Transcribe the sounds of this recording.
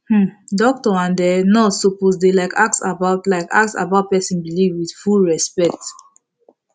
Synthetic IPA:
h̩dɔk̚tɔãndɛnɔsoposdelaɪkaksabaʊtlaɪka̰ksa̰baʊt̚pɛsĩnbilivwidfulɹɛspɛk̚t

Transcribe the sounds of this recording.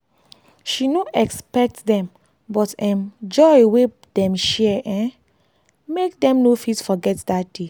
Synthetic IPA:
ʃinoʔɛkspɛk̚tdɛ̃m | bɔtɛ̃md͡ʒɔɪwe | dɛ̃mʃɛʔɛ̃ | mekdɛ̃mnofitfɔɡɛtdad̥e

